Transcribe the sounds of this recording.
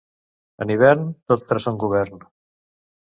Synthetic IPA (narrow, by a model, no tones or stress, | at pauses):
ə̰niβ̞ɛɾnt̪ot̪̚t̪ɾɛsəŋɡuβ̞ɛɾn